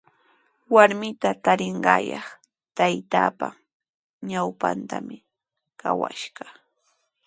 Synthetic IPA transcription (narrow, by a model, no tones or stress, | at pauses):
waɾmɪt̪at̪aɾɪɴɢɑːjɑχ | t̪ajt̪aːpa | ɲawpant̪amɪ | kawa̰ʃɢɑ